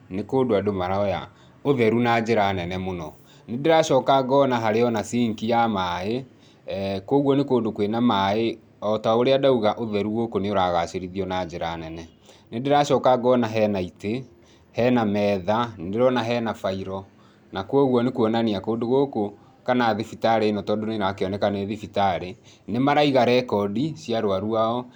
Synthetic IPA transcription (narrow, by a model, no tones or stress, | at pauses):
nekoːdoadomaɾaɔja̰ | oðɛɾunad͡ʒeɾanɛnɛmonɔ | nedeɾaʃɔkaɡɔnaɦaɾeɔnasiŋkijamae | kwɔɣwɔnekoːndokwenamae | ɔtaoɾeadauɣaʔoðɛɾuɣokoneoɾaɣaʃeɾiðiɔnad͡ʒeɾanɛnɛ | nendeɾaɕɔːkaɡɔnaɦɛnaite | hɛnamɛðandeɾɔnaɦɛnafaiɾɔ | nakwɔɣwɔnekuɔnaniakoːndoɣoko | kanaːðefitaɾenɔtɔdoneɾakeɔnɛkaneðifitaɾenemaɾaiɣaɾɛkɔdiɕjaɾoaɾuaɔ